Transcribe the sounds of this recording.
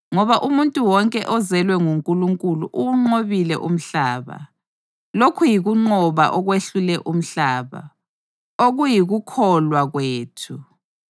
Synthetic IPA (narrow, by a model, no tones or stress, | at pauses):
ŋɔβaʔumuntʼuwɔŋkʼɛʔɔzɛlwɛŋuŋkʼuluŋkʼuluʔuŋ͡ǃoβilɛ̰ʔum̩ɬaːβa̰ | lokʰujiɣuŋ͡ǃɔβa̰ʔɔɣweɬulɛʔum̩ɬaːβa̰ | oɣujiɣukʰɔlwaɣweːtʰu